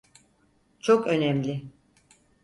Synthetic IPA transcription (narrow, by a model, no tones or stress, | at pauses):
t͡ʃʰokø̞nɛmlʲɪ